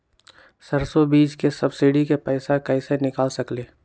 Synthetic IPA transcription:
sɐɾsobiːd͡ʒkesɐbsɪɖikepɛɪsakɐisenɪkaːlsɐkleː

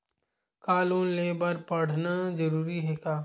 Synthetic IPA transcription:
kaːluːnleːbɐɾpɐɽ̤nad͡ʒɐɾuːɾiɦɛkaː

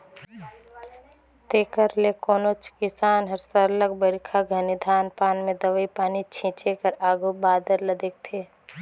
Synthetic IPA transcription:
t̪eːkəɾlekoːnot͡ʃkɪsaːnɦəɾsəɾləɡbəɾikʰaɡʱənid̪ʱaːnpaːnmẽd̪əʋəipaːnit͡ʃʰĩːt͡ʃekəɾaːɡʱobaːd̪əɾləd̪eːk̚t̪ʰeː

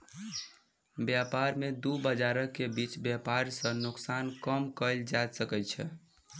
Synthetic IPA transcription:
bjapaɾmed̪ubəd͡ʒaɾəkːebit͡ʃbjapaɾsə̃nʊksankəmkəld͡ʒad̪səkɛt͡ʃʰɛ̰

